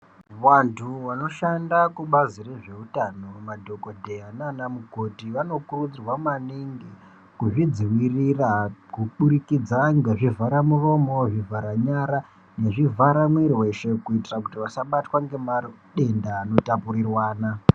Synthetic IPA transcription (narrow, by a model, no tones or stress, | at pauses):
wantʰuʋano̞ʃandakuɓazire̞ʐe̞utano̞madʱoko̞dʱe̞ɦananamuɡʱo̞dʱiʋano̞kurud͡zirwamaniŋɡi | kuʐid͡ziwirirakuɓuɾikid͡zaŋɡeʐivʱaɾamuro̞mo̞ʐivʱaɾaɲaɾa | ne̞ʐivʱaɾamwiɾiwe̞ʃe̞kuitirakutiʋasaɓatwaŋɡe̞ma | ɗe̞ndaːno̞tapuɾirwaːna